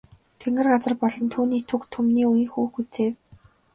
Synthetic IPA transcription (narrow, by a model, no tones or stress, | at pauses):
t̪ʰeŋɡɘ̆rɢat͡sə̆rpɔɮɞ̆nt̪ʰuːniːt̪ʰukt̪ʰɵmniːujiːxuːxut͡seː